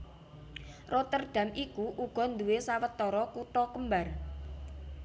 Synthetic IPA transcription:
rʔɔt̪ərɖ̪̥ä̤mikuʔuɡ̥ɔ̤nd̪uwesawət̪ːɔɾɔkuʈ̪ɔkəmbar

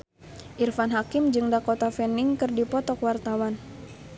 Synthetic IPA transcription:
ʔirfanɦakimd͡ʒɨŋdakɔt̪afɛniŋkɨrdipɔt̪ɔkwart̪awan

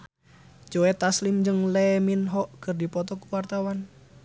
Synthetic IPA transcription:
d͡ʒoɛt̪aslimd͡ʒəŋlɛminɦɔʔkərdipɔt̪ɔkuwart̪awan

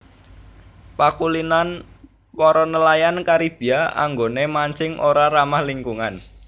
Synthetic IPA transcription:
pakulinan | pɔɾɔnəlajankaɾib̥i̤aa̰ŋɡonemaɲt͡ʃɪŋʔoɾaɾamahliŋkuŋan

